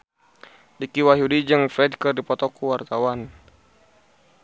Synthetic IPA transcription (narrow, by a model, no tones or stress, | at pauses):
dikiwaɦjudid͡ʒɨŋfɾɛdkɨrdipɔt̪ɔkuwart̪awan